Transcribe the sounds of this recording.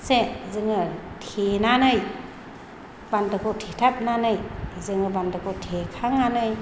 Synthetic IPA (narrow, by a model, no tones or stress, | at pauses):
sezɯŋɯtʰenanɯj | bandɯkʰɔtʰetʰap̚nanɯjzɯŋɯbandɯkʰotʰekʰaŋanɯj